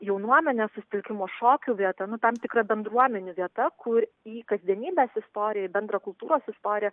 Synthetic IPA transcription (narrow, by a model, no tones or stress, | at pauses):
jɛʊnuɔmʲɛnʲɛːsʊsʲɪ̥t̪ʲɪlʲkʲɪmoːʃoːkʲuːʋʲiɛt̪ɐnʊt̪ɐmt̪ʲɪkɾɐbʲɛnd̪ɾuɔmʲɛnʲuʋʲiɛt̪ɐkʰʊɾ | iːkɐzʲd̪ʲiɛnʲiːbʲeːsɪst̪oːɾʲɪjɛɪbʲɛnd̪ɾɐkʊlˠt̪uːɾoːsɪst̪oːɾʲɪjɛ